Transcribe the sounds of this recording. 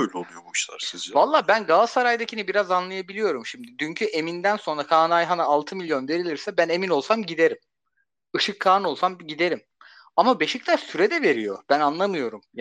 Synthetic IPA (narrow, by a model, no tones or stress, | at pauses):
øjlʲɛolˠujommʃlˠa̰ɾsizvalˠːaːbænɡalsaɾajd̪acʰinibiɾazanlˠajabilʲijo̞ɾumʃimd̪id̪yɲcʰyʔe̞mind̪ænso̞nɾakʰaːnajɦanaːlˠt̪ʰɯmilʲjo̞nve̞ɾilʲiɾsɛbæne̞mino̞lˠsamɟid̪e̞ɾim | ɯʃɯkʰːaːno̞lˠsamɟid̪e̞ɾim | amabe̞ʃict̪ʰaɾsyɾɛd̪ɛve̞ɾijo̞̰b̥ænanlˠamɯjo̞ɾum